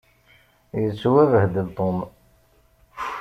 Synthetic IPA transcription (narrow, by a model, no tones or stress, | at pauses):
jət͡sːuwævəhd̪əlt̪ˤom